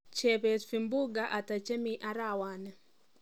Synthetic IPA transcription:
t͡ʃe˨pe˨tfi˨mbu˦ɡa˨ʔa˨ta˨t͡ʃe˦miʔa˦ɾawa˨nɛ˨

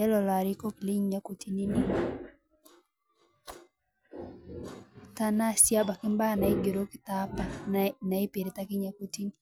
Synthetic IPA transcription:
ɛ˦lɔ˨la˨ɾi˦ko˦kli˦ɲɲa˦ko˨tʰi˦ni˦ni˦ | ta˦na˦sja˦ba˨kɪ˦mba˦˨na˨ɪ˦ɡe˨ɾo˦kɪ̥˦ta˦pa˨na˨ɪ˦pi˨ɾɪ˨ta˦kɪ˦ɲa˦ko˦ti˦ni˦

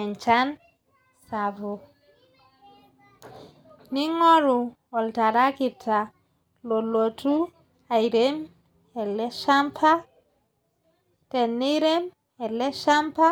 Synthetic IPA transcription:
ɛ˨ɲt͡ʃan | savo˨ | ni˦ŋo˦ɾu | ɔ˨lta˨ɾa˦ki˨tʰːa˨ | lo˨lotu˦ | a˨jɾem | ɛ˨lːe˦ʃampʰa˦ | tɛ˨nːi˦ɾem | ɛ˨lɛ˦ʃa˦mpa˦

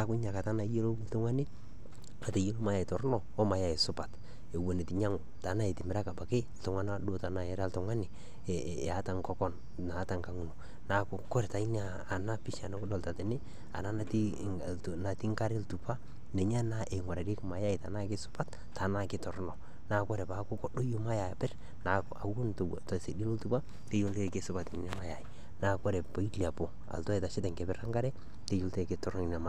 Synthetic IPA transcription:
na˨kʊ˦ɲa˨ka˨ta˦na˨˦je˦lo˦ltʊ˦ŋwa˦nɪ˦ | a˨ta˨jo˦lo˦ma˨ja˨i˨tɔ˨ɾnɔ˨o˦ma˨ja˨ɪ˨sʊ˦pa˨t | e˨wo˨ne˨ti˨ɲa˦ŋʊ˨ta˨˦na˦e˨tɪ˨mɪ˨ɾa˦ka˨ba˨ke˦ltʊ˨ŋa˦na˦do˦ta˨na˨e˦ɾa˦ltɔ˨ŋwa˦nɪ˨ | a˦ta˨ŋkɔ˦kɔ˦n | naː˨˦ta˨ŋka˦ŋu˨no˨ | na˨kʊ˨kɔ˦ɾta˨i˦ɲaː˨na˦pi˦ʃa˨no˦kʊ˦dɔ˨lta˨te˨nɪ˦ | a̰˨na˦na˨ti˦˨ | na˨ti˦ŋka˦ɾe˦ltu˨pa˦ | ne˨ɲ˦a˦na˦ʔe˨ŋwa˨ɾa˨ɾe˦kma˨ja˦ɪ˨ta̰˨na˦kɪ˦sʊ̥˦pa˦t | ta˨na˦kɪ˦tɔ˨ɾnɔ˨ | na˦kɔ˦ɾɛ˨pa˨ko˦ko˦ɗo˦jo˦ma˦ja˨pɪ˦r | na˨ka˨wo˦nt | tse˨di˦no˦ltu˦pa˦ | te˦jo˦lte˦ke˦sʊ˦pa˨tɪ˨nɪ˨na˦ma˦ja˨i˨ | na˦kɔ˦ɾɛ˨pa˨i˦lia˨po˨ | a̰˨ltɔ˦ɛ˨ta˨ʃɪ˦tɛ˨ŋke˨bɪ˦ɾa˦ŋɡa˦ɾɛ˦ | te˦jo˦lte˦kɪ˦tɔ˦ɾn˦i˨na˨ma˨

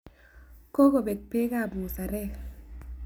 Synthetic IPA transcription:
ko˦ko˨be˨k̚pe˦ka˦˨bu˨sa˨ɾɛ˦˨k

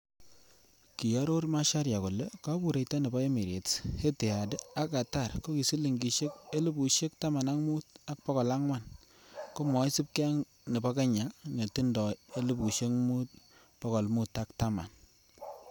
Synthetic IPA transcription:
ki˨ja˦ɾo˦ɾma˦ʃa˦ɾja˨ko˨le˦ka˦bu˨ɾe˨jta˦nɪ˨ba˦e˦mi˨ɾjḛ˨the˦te˨a˨de˦a˦ka˨ta˦˨rko˦ki˨si˦li˨ŋɡi˨ʃe˦k̚e˦li˦bu˨ʃe˦kta˦ma˨na˦ŋmu˦ta˦k̚pɔ˦kɔ˨la˦ŋwa˦˨n | ko˦mɔ˨˦ɪ˦si˦p̚ke˦a˦ŋ | nɪ˨ba˦ka˦ɲa˨ŋe˨ti˦ndɔ˨e˦lɪ˦bu˨ʃe˦ŋmu˦t̚ | pɔ˦kɔ˨lmu˦ta˦k̚ta˦ma̰˨n

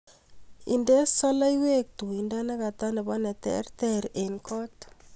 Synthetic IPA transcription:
ḭ˨ndɛ˦sɔ˦la˦i˦we˦k̚t̪u˨i˨nda˦nɛ˦ka˨t̪a˦nɛ˨ba˦nɛ˨t̪ɛ̰˨˦ɾt̪ɛ˦ɾe˨nkɔ˦t

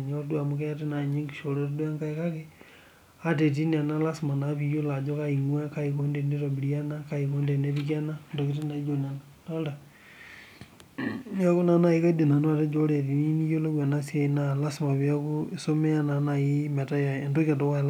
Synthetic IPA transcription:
ɲodwa˨mu˦ke˦jate˦na˨ɲe˦ŋɡi̥˨ʃo˨ɾo˦ɾdwa˦ŋka˦i˦ka˦ke | a˦t̬e˨t̬i˦ni˨a˨na˦la˦sima˨na˨βi˦jo˦la˨d͡ʒo˦ka˦i˨ŋwa˦ka˦iko˦nde˨ni˦ɾo˨bi˨ɾia˦na˦ka˦i˨ko˦nde˨ne˦βikia˦na˦ndo˨ki˦ti˦na˨i˦d͡ʒo˨na˨la | na˦lda˨ | n˦a˦ku˦na˨˦na˨i˦ka˦de˨na˨no˦a˨te˦d͡ʒo˦ɾe˨ti˨ni˦ni˦jo˦lo˦wa˨na˦sja˨ina˦la˦si˨ma˨βi˦a˦ku˦so˦me˦a˦na˨na˨i˦me˨ta˦ja˨e˨ndo˦ka˨to˦ka˦˨la

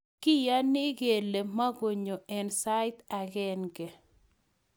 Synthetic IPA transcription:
kɪ˦ja˦nɪ˦ɡe˨le˨ma˦ɡo˨ɲo˨ɛ˨nsa˦ɪ˦t̪a˨ɡɛ˦nɡɛ˨

